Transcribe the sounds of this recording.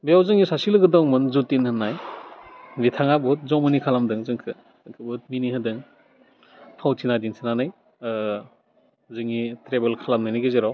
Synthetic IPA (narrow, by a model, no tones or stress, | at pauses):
bijawzɯŋisasilɯɡɯdɔŋmɯnzutinhɯnːaj | bitʰaŋabɯt̚zɔmɯnikʰalamdɯŋzɯŋkʰɯ | ŋkʰɯbɯt̚miniɦɯdɯŋ | pʰawtʰinadinsʰinanɯj | zɯŋitɾebelkʰalamnɯjnɯɡezeɾaw